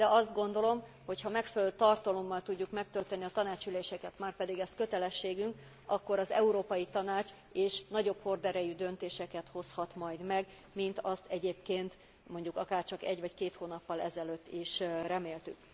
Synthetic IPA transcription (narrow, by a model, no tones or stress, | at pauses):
d̪̥ɛʔɒzd̪ɡo̞nd̪o̞lo̞m | ho̞chɒmɛkfɛløt̪ɒrt̪ɒlo̞mːɒlt̪uɟːukmɛk̚t̪ølt̪ɛnːiɒt̪ɒnaːt͡ʃyleːʃɛkɛt̪maːrpɛd̪iɡɛskø̞t̪ɛlɛʃːeːɡyŋk | ɒkːo̞ɾɒzɛuɾoːpɒjit̪ɒnaːt͡ʃ | eːʃnɒɟo̞pho̞rd̪ɛɾɛjyd̪ønt̪eːʃɛkɛt̪ho̞shɒt̪mɒjd̪mɛɡ | mint̪ɒst̪ɛɟeːpkeːnt̪ | mo̞ɲɟukɒkaːrt͡ʃɒkɛɟvɒckeːt̪hoːnɒpːɒlɛzɛløːt̪ːiʃrɛmeːlt̪yk̚